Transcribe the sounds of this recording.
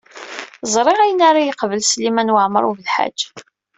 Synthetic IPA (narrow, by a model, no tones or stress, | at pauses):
zˤɾˤɪʁæjənaɾˤajəqvəlslimænwaʕmə̰ɾˤuvəlħa̰̥d͡ʒː